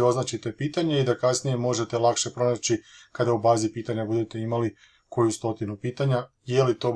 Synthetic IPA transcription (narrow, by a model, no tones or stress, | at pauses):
o̞znaːt͡ʃit̪e̞piːt̪aɲe̞id̪akasnije̞mo̞ʒe̞t̪e̞lˠakʃe̞pɾo̞naːt͡ɕikad̪aubaːzipiːt̪aɲabud̪e̞t̪eimali | ko̞just̪o̞t̪inupiːt̪aɲa | je̞lit̪o̞ː